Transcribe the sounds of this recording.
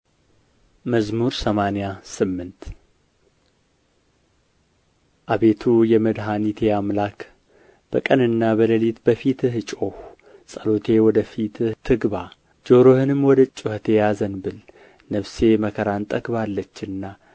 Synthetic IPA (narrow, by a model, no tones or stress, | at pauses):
məzmuɾsəmanjasɨmːɨnt̪ | ʔaβe̞t̪ʰujɛməd̪ɦanit̪ʰeamlak | b̥əkʼənɨnːabələlit̪bəfit̪ʰɨhɨt͡ʃʼoh | sʼəlot̪ʰe̞wɔd̪əfit̪ɨht̪ʰːɨɡba | d͡ʒo̞ɾohɨnɨmːwɔd̪ət͡ʃʼːʊhət̪ʰe̞jazənbɨl | nəβse̞məkʰəɾant̪ʼəɡbalːət͡ʃːɨnːa